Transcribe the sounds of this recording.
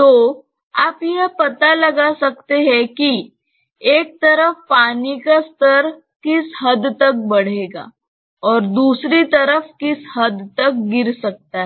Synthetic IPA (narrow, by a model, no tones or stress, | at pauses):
t̪oː | aːpjeɦəpɐt̪alɐɡasɐk̚t̪eɦɛ̃ki | eːk̚t̪ɐɾəfpaːnikast̪ʰəɾ | kɪsɦɐd̪t̪ək̚bɐɽ̤eːɡa̰ː | ɔːɾd̪uːsɾit̪əɾəfkɪsɦəd̪t̪ək̚ɡɪɾsɐk̚t̪aɦ